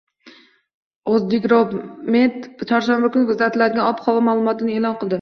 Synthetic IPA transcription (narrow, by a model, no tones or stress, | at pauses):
ozbekʲɾobmet̪t͡ʃʰɒɾʃanbakʊnkʰʊzlat̪ʰɪlad̪ɪɡʲanɒpχɒwamaːlˠʊmɒt̪ʰɪnɪeːlˠɒnqʰɨlˠd̪ɪ